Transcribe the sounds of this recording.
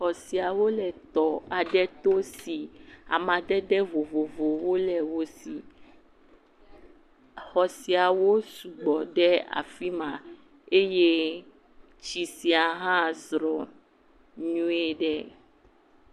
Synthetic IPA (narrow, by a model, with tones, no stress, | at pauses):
xɔ˨si˨a˨wo˦lɛ˨t̪ɔ˨a˨ɖɛ˦t̪o˦si˨a̰˨mã˨ɖɛ˦ɖɛ˦vo˨vo˨vo˨wo˦lɛ˨wo˦si˨ | xɔ˨si˨a˨wo˦su˨ɡ͡bɔ˨ɖɛ˦a̰˨fi˦mã˨ | e˦je˦ | t͡ʃi˨si˦a˨ɦã˦zɾɔ˨ | ɲũ˦ɛ˦ɖɛ˦